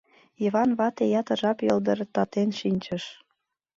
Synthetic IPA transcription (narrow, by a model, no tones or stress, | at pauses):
iβɑnβɑt̪ejɑt̪ə̆ʒɑpjɤld̪ə̆ɾət̪ɑt̪enʃinʲt͡ɕəʃ